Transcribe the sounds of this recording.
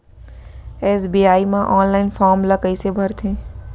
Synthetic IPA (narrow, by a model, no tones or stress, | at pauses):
eːsbiaːimãʔɔːnlaːɪnfʰɔːɾmləkəɪsebʱəɾt̪ʰẽː